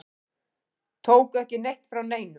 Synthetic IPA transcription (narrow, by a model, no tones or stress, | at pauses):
t̪ʰoːwkɛhcɪnejht̪fɾawneːjnʏ